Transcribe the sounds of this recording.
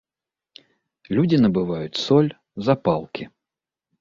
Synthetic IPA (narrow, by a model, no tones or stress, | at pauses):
lʲudʲɪnəbɨvajʊt̪ʲsɔlʲ | zɐpalˠkʲi